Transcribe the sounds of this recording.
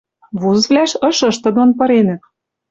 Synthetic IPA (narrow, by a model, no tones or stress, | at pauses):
βuzvlʲæʃɤ̆ʃɤ̆ʃt̪ɤ̆d̪onpɤ̆ɾenɘ̆p̚